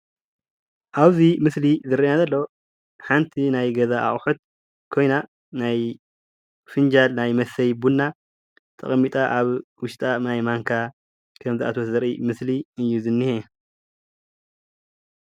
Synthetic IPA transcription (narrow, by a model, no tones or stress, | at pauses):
ʔaβzimɨslizɨɾiʔnazɐlːo | ħant̪ʰinajɡɐzaʔa̰χʼħut̪̚ | kʰo̞jna | naj | fɨnd͡ʒalnajmɐsɐjbunːa | t̪ʼɐ̰χʼmːit̪ʼaʔaβwʊʃt̪ʼanajmaŋkʰa | kʰɐmziʔa̰t̪ʰwot̪zɐɾʔimɨsliɨjːuzɨnːihe